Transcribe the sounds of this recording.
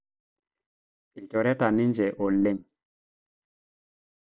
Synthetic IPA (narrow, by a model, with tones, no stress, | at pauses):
i˨cɔ˨ɾɛ˦ta˨ni˦nd͡ʒɛ˨ʔɔ˨le˦m